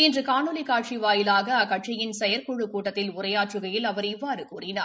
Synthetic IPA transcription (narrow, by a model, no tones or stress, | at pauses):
ɪndrɯkaːnɯlɪkaːʈ̚t͡ʃiʋaːjɪlaːɣɐːkːɐʈ̚t͡ʃɪjɪnsɛjɐɾkɔɻɯkuːʈːɐt̪ːɪlʊrɐjaːʈrɯɣɐjɪlɐʋɐɾɪʋːaːɾɯkuːrɪnaː